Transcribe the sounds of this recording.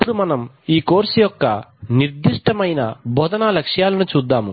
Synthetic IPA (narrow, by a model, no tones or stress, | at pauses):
pːuɽumɐnɐm | iːko̞ːɾsijɔkːɐniɾd̪iʂʈɐmɐjnɐbʱɔd̪ɐnalɐkʂjaːlɐnut͡ʃuːd̪ːaːmu